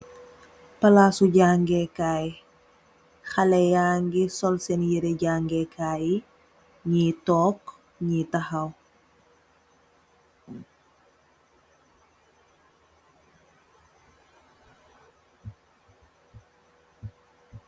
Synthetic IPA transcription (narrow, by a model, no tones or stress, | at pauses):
pɐlaːsuɟaːŋɡɛkaːji | xɐlɛjaːŋɡisɔlsɛnjiɾɛɟaːŋɡɛkʰaːji | ɲitɔːk | ɲitɐhɐw